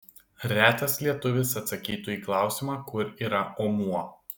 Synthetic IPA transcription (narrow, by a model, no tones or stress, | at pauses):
ɾʲæːt̪ɐslʲiɛt̪ʊʋʲɪsɐt̪sɐkʲiːt̪uiːklˠɑˑʊsʲɪmɑːkʊɾiːɾɐʔɔːmuɔ